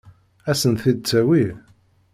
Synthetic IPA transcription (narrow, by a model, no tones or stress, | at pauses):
æsənθid̪̚t͡sːæwi